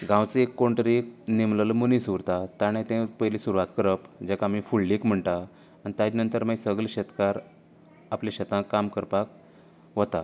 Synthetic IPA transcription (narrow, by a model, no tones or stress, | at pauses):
ɡãwt͡seekːoɳʈɾiknemlələmunisuɾt̪at̪aɽ̃ẽt̪ɛ̃pəjlisuɾuʋat̪kəɾəpd͡ʑekaːmifullikm̤əɳʈ̪aː | ñit̪jad̪inənt̪əɾmajsəɡlɕət̪kaɾ | aplẽɕət̪ãkamkəɾpak̚ | ʋət̪a